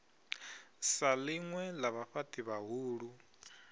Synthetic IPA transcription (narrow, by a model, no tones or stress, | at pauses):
salɪŋwɛlaβaɸatʼiβaɦuːɺu